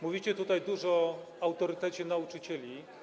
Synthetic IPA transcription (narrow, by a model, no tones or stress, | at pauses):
muvʲit͡ɕɛt̪ut̪ajd̪uʐɔ | awt̪ɔɾɘt̪ɛt͡ɕɛnaut͡ʂɘt͡ɕɛlʲi